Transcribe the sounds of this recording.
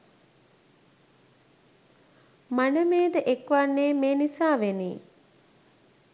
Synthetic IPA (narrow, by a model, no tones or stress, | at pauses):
manəmeːd̪əʔekʋanːeːmeːnisaːʋenḭː